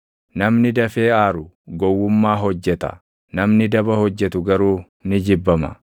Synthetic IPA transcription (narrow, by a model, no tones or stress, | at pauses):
nɐmnɪd̪ɐfe̞ːaːɾʊ | ɡɔwːʊmːaːɦɔd͡ʒːɛt̪ɐ̰ | nɐmnɪd̪ɐbɐhɔd͡ʒːɛt̪ʊɡɐɾuː | nɪd͡ʒɪbːɐmɐ̰